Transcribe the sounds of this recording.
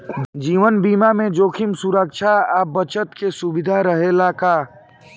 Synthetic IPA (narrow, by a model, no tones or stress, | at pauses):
d͡ʒiːʋənbiːmamẽd͡ʒoːkʰɪmsuɾəkʃʰaaːbət͡ʃət̪kesubɪd̪ʱaɾəɦelakaː